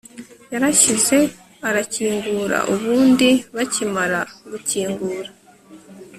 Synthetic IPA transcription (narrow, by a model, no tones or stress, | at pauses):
jaɾaçize̞ | aɾaciːŋɡuːɾa̰ʔuβuːndiβacimaɾaɡuciːŋɡuːɾa